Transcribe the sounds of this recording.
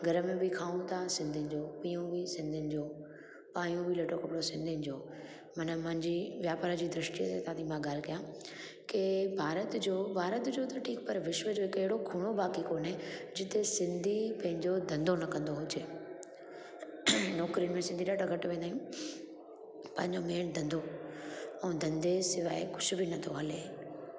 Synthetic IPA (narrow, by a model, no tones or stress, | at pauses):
ɡʱɐɾəmẽbʱɪkʰaːũt̪ʰasɪ̃nd̪ʱɪnɪ̆d͡ʑoːpiːjũbisɪ̃nd̪ʱɪnɪ̆d͡ʑoː | paːjũbʱɪlɐʈokɐpɪɽosɪ̃nd̪ʱɪnɪ̆d͡ʑoː | mɐnəmɐ̃ɦɪ̃ɲd͡ʑiːʋjaːpaːɾd͡ʑiːd̪ɾɪʃʈiset̪ɐãt̪ʰimãɡaːlkɐjãkebʱaːɾət̪d͡ʑoːbʱaːɾət̪d͡ʑot̪ɐʈʰiːkpɐɾʋɪʃʋəd͡ʑoɦɪkɪɦɪɽokʰuːɽ̃obaːkikoːned͡ʑɪt̪esɪ̃nd̪ʱipɐ̃ɦɪ̃ɲd͡ʑod̪ɐ̃nd̪ʱonɐkɐ̃nd̪oɦʊd͡ʑeː | nɔːkɾimẽsɪ̃nd̪iɗaːʈaɡɐʈʋẽːnd̪aːijũ | pɐ̃ɦɪ̃ɲd͡ʑomeːld̪ʱɐ̃nd̪ʱo | ɛ̃ːd̪ʱɐ̃nd̪esɪʋaːekʊ̥ʃʊbʱinɐt̪ʰoɦɐleː